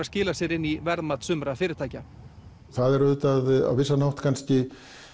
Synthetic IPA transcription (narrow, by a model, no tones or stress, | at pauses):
ascɪːlasɛɾɪnːivɛɾðmat̪sʏmɾafɪːɾɪɾt̪ʰaːjca | θaðɛɾʏːt̪aða̰wvɪsːanawht̪kʰanscɪ